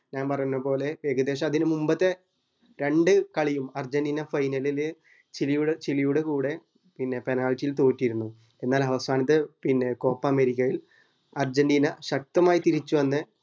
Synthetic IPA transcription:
ɲaːnpɐrɐjunːɐpo̞ːle̞ʋeːɡɐd̪e̞ːɕ̬ɐmɐðinɨmumbɐt̪ːe | ɾe̞ɳɖɨkɐɭijumɐrd͡ʑɐnɖiːnɐfɐjnɐlilɨ | t͡ɕilijuɽet͡ɕilijuɽekuːɽe̞ | pinːe̞penaːɭtːijilt̪o̞ːtːijiɾunːu | enːaːlɐʋɐsʰaːnɐt̪̬ːɨpinːe̞ko̞ːpːɐːmeɾikʲːɐjil | ɐrd͡ʑɐnɖiːnɐɕɐk̚t̪ɐmaːjit̪iɾit͡ɕːuʋɐnːɨ

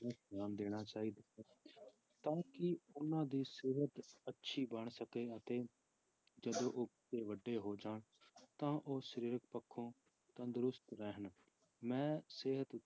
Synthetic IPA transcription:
mɛ̃ːnaːmd̪eːɽ̃aːt͡ʃaːɦiːd̪aː | t̪ãːkɪʊnãːd̪iːseːɦət̪ətːʃʰiːbəɳsəkeːət̪eː | d͡ʒəd̪õːʔoːbɪteːʋəɖːeːɦoːd͡ʒaːɳ | t̪ãːʔoːʃəɾiːɾək̚pəkʰːõː | t̪ãːd̪ʊɾʊst̪ɾɛɦən | mɛ̃ːseːɦət̪

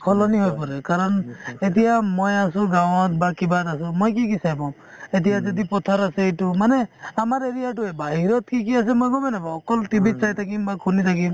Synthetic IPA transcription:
kʰɔlɔniɦojpɔɾekaɾɔnet̪ijamɔjasuɡawt̪bakibad̪asumɔjk̬ik̬isajbɔ | et̪̬ijad͡ʒɔd̪ipɔt̪ʰaɾasejʈumaneamaɾeɾijaʈuebaɦiɾɔt̪kikias̬emɔjɡɔbenabaɔkɔlt̪ibit̪̚t͡ʃajt̪ʰakimbakʰunit̪ʰakim

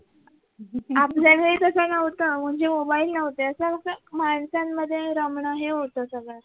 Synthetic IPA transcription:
apljaʋeɭit̪əsənəʋt̪əm̤əɳd͡ʑemobailnəʋ̤t̪eəsəməkəmaɳsamːəd̪ʱːjeɾəmɳəɦeɦot̪əsəɡɭaɾ

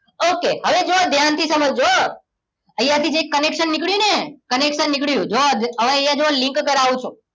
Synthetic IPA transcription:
okeɦəʋed͡ʒoad̪ʱjant̪ʰisəməd͡ʒd͡ʒo | əjãt̪ʰid͡ʒekːənekʃənːikɽjũnekənekʃənːikɭjũd͡ʒod̪əʋẽəjãd͡ʒoalĩŋkkəɾaʋũt͡ʃʰṵ̃

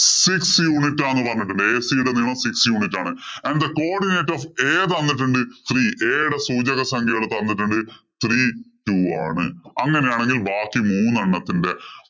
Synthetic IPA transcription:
siksjuːnitːaːnːɨpɐrɐɲːiʈːuɳɖɨeːsiːɽɐniːɳɐmsiksjuːnitːaːɳɨɐnɖd̪ɐkoːrɖineːtːofeːðɐnːiʈ̬ːuɳɖɨt̪ʰriːʔeːɽɐsuːd͡ʑɐɣɐsɐŋɡʱiɐɭɐt̪ːɐnːiʈːuɳɖɨ | t̪ʰriːtuːa̰ːɳɨ̰ɐŋːɐne̞jaːɳe̞ŋɡilbaːkːimuːnːɐɳːɐt̪ːinde̞

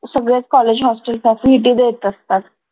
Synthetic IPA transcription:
səɡɽet͡skɔled͡ʑɦɔsʈəlsɛfiiʈid̪et̪əst̪at̪

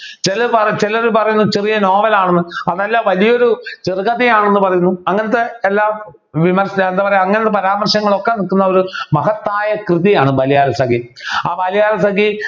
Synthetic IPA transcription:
t͡ɕelɐpɐt͡ɕeloɾupɐrɐjunːut͡ɕerijɐnoːʋɐlaːɳenːɨɐðelːaːʋɐlijɐoɾut͡ɕerɣɐðijaːɳenːɨpɐrɐjunːuɐŋːɐnɐt̪̬ːeelːaː | ʋimɐrsɐend̪aːpɐrɐjumɐŋːɐnet̪ːepɐɾaːmɐrʂɐŋːɐɭo̞kːenilkːunːɐo̞ɾumɐɦɐt̪ːaːjɐkrɨðijaːɳɨbɐlijaːlɐsɐɡiaːbɐlijaːlɐsaɡi

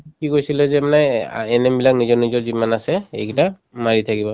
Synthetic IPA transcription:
kikojsilɛzɛmanajɛnɛmbilak̚nizɔɹnizɔɹzimanasɛejkita | maɹit̪ʰakibɔ

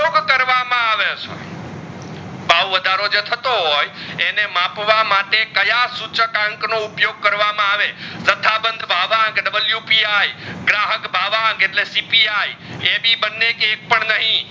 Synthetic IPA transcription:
joɡkəɾʋamãaʋet͡ʃʰo̰j | baʋəd̪ʱaɾod͡ʒet̪ʰət̪oɦojenemãpʋamaʈekəjasut͡ʃəkãŋknoupjoɡ̚kəɾʋamãaʋesət̪ʰabənd̪ʱbʱaʋãŋɡɖəbəljupiajɡɾaɦəkbʱaʋãŋɡeʈlesipiajebʱibənːekek̚pəɳnəɦĩ

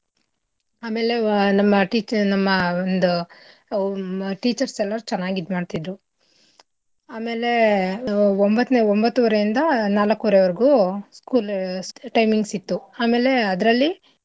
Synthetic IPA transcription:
aːme̞ːle̞nɐmːɐʈiːt͡ʃnɐmːɐond̪u | ʈiːt͡ʃɐɾsɛlːɐɾt͡ʃɛnːaːɡid̪maːɖt̪id̪ɾu | aːme̞ːle̞ | ombɐt̪ːneːombɐt̪ːuʋɐɾejind̪ɐnaːlɐkːuʋɾɛʋɐɾiɡuskuːlʈɐjmiŋɡsit̪ːuaːme̞ːle̞ɐd̪ɾɐlːi

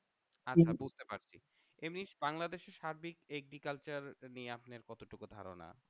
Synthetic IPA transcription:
aabud͡ʑʱt̪epaɾt͡ɕʰi | emniʃbaŋlad̪eʃeɾʃaɾbikeɡɾikalt͡ɕaɾnieapneɾkɔt̪oʈukod̪ʱa̰ɾo̰na̰

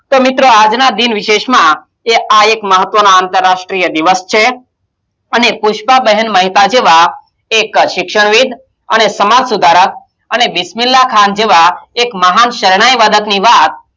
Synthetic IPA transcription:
t̪omit̪ɾoad͡ʒnad̪inʋɪʃeʃmã | eʔaekməɦət̪ʋənaant̪əɾːaʃʈɾijəd̪iʋəst͡ʃʰe | ənepuʃpabəɦənməɦit̪ad͡ʒeʋa | ekʃɪkʃəɳ̃ʋid̪ʱ | ənesəmad͡ʒsud̪ʱaɾək̚ | ənebɪsmilːakʰand͡ʒeʋaekməɦanʃəɾɽ̃ajʋad̪ʱəkniʋat̪̚

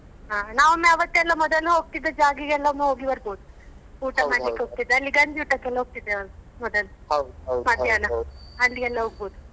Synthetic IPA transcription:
ɦaːnaːʋɐmːeɐʋɐt̪ːeɛlːɐmɔd̪ɐluɦoːɡ̚t̪id̪ːed͡ʒaːɡiɡɛlːɐɐmuɦoːɡibɐɾboːd̪u | uːʈɐmaːikːeɦoːɡ̚t̪id̪ːeɐlːiɡɐɲd͡ʒiuːʈɐkːɛlːɐɦoːɡ̚t̪id̪ːeɾmɔd̪ɐl | mɐt̪ːjaːnɐɐlːiɡɛlːɐɦoːɡ̚boːd̪u

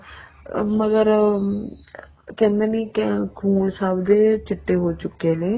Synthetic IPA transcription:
məɡəɾ | kɛ̃ːnd̪eːniːkkʰuːnsaːbd̪eːt͡ʃɪʈːeːɦoːt͡ʃʊkːeːneː

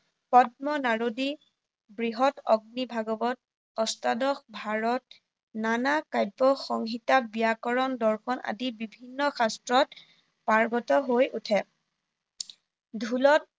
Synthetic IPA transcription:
pɔt̚mɔnaɹodi | bɹiɦɔtɔɡ̚nibʱaɡɔbɔt̚ | ɔstadɔxbʱaɹɔt̚ | nanakajbɔxɔŋɦitabijakɔɹɔndɔɹxʰɔnʔa̰dibibʱinːɔxastɹɔt | paɹɡɔtɔɦojutʰɛ | dʱulɔt̚

